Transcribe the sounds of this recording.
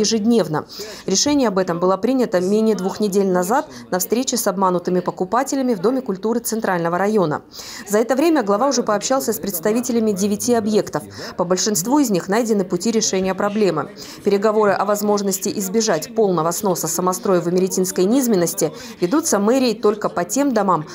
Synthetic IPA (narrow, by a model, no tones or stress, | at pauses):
jɪʐɨdʲnʲe̞vnə̰ɾʲɪʂɛnʲɪjəɐbɛt̪əmbɨlˠəpɾʲinʲət̪əmʲenʲɪjəd̪vuxnʲɪdʲelʲnɐzat̪nɐfst̪ɾʲet͡ɕɪsɐbmanʊt̪ɨmʲɪpəkʊpatʲɪlʲɪmʲɪvd̪o̞mʲɪkʊlʲt̪uɾɨt̪sɨnt̪ɾalʲnəvəɾɐjo̞nə̰ | zɐɛt̪əvɾʲemʲəɡlˠɐvaʊʐɛpəɐpɕːalˠsʲəspɾʲɪt̪st̪ɐvʲitʲɪlʲɪmʲɪdʲɪvʲɪtʲiɐbje̞kt̪əfpəbəlʲʂɨnst̪vuɪzʲnʲixn̪ajdʲɪnɨpʊtʲiɾʲɪʂɛnʲɪjəpɾɐblʲe̞mɨ̰ | pʲɪɾʲɪɡɐvo̞ɾɨʔɐvɐzmo̞ʐnəsʲtʲɪʔɪzbʲɪʐatʲpo̞lˠnəvəsno̞səsəmɐst̪ɾo̞jɪvəmʲɪɾʲɪtʲinskəjnʲizmʲɪnːəsʲtʲɪ | vʲɪd̪ut̪səmɛɾʲɪjəjt̪o̞lʲkəpɐtʲe̞md̪ɐmam